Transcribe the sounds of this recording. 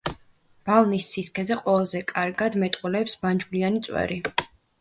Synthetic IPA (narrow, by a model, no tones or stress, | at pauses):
b̥alˠnisːiskʰɛzɛqʼwɛlˠazɛkʼaɾɡad̪mɛt̪ʼqʼulɛːpsband͡ʒvlianit̪sʼwɛ̰ɾi